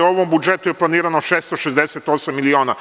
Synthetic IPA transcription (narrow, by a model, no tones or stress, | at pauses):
oʋombud͡ʒet̪ujeplˠaniːɾanoʃeːst̪oʃezd̪eset̪o̞samːilioːna